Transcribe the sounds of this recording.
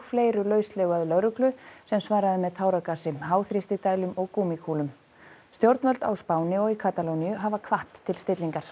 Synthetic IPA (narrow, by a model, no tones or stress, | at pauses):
fleːjɾʏlœːɥst̪lœːɣaðʏlœɾʏklʏsɛmsvaːɾaðɪmɛðt̪ʰaːwɾakasɪmɦaːwθɾist̪ɪt̪aːjlʏmɔɣkuːmikʰuːlʏm | st̪jowɾt̪nvœlt̪a̰wspaːwnɪɔɣikʰaːt̪alownijʏɦavakʰvaht̪ʰːɪlst̪ɪt̪liŋkaɾ̥